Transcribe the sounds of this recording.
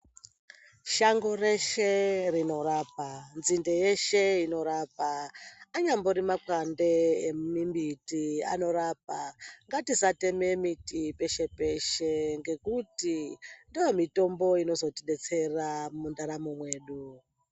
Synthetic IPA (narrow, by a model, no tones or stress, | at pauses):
ʃaŋɡo̞re̞ʃerino̞raːpanzindeje̞ʃe̞ino̞ɾapaaɲamboɾimakwande̞ːmimbitiano̞ɾaːp̚aŋɡatisate̞me̞mitipe̞ʃe̞pe̞ʃe̞ŋɡe̞kutindijomito̞mbo̞ino̞zo̞tiɗe̞t͡se̞ramundaɾamumwe̞ːɗu